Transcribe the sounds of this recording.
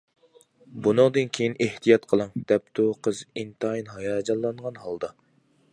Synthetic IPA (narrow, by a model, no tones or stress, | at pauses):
bunɨŋd̪ɨnkʲʰejineht̪ʰijɑt̪qʰəlˠɨŋd̪̥ɛp̚t̪ʰuqʰəzint̪ɑinɦɑjɑːd͡ʒɑlˠːɑnʁɑnhɑlˠd̪ɑ